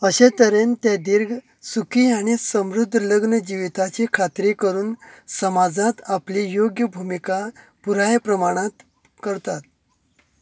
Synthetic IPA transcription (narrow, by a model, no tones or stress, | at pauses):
əɕet̪əɾent̪jed̪iɾɡʱ | sukiːaɽ̃isəmɾud̪ʱːələɡnəd͡ʑiʋit̪at͡ɕekʰat̪ɾekəɾuːnsəmad͡zat̪aplijoɡjəbʱumika | puɾajpɾəmaɽ̃at̪ | kəɾt̪at̪̚